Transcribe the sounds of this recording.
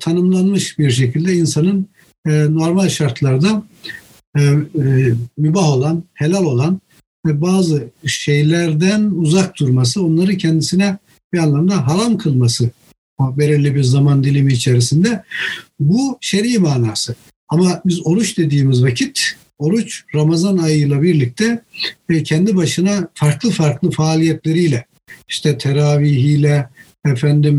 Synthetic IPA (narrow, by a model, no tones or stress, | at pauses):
t̪ʰanɯmlˠanmɯʃbiɾʃ̬e̞cʰilʲd̪ɛinsanɯnː | no̞ɾmalʲʃaɾt̪ʰlˠaɾd̪a | mybaɦo̞lˠanhe̞lʲælʲo̞lˠan | vɛbaːzɯʃe̞jlʲæɾd̪ænuzak̚d̪uɾmas̬ɯo̞nlˠaɾɯcʰɛnd̪isinɛ | bianlˠamd̪aɦaɾamkʰɯlˠmasɯ | be̞ɾiɾlʲibiɾzamand̪ilʲimiːt͡ʃʰeɾisind̪ɛbuʃeɾimaːnaːsɯ | amabizo̞ɾut͡ʃd̪e̞d̪iːmizvacʰit̪ | o̞ɾut͡ʃɾamazanajɯjlˠabiɾlʲic̚t̪ʰɛ | cʰɛnd̪ibaʃɯnafaɾklˠɯfaɾklˠɯfaːlʲijɛt̪lʲe̞ɾijlʲɛ | iʃt̪ʰɛt̪ʰeɾaːviɦiːlʲɛ | ɛfænd̪im